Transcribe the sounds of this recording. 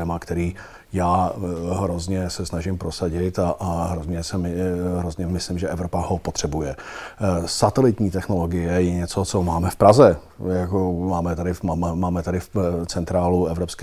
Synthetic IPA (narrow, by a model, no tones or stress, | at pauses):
ɛmakt̪ɛɾiː | jaːɦɾozɲɛsɛsnaʒɪmpɾo̞saɟɪt̪aʔaɦɾozɲɛsɛmɪɦɾozɲɛmɪslɪmʒɛʔɛvɾopaho̞pot̪r̥ɛbujɛ | sat̪ɛlɪt̪ɲiːt̪ɛxno̞lo̞ɡɪjɛjɛɲɛt͡so̞t͡so̞maːmɛfpɾazɛ | jakomaːmɛt̪adɪfmaːmaːmɛt̪adɪft͡sɛnt̪ɾaːluɛvɾopskɛ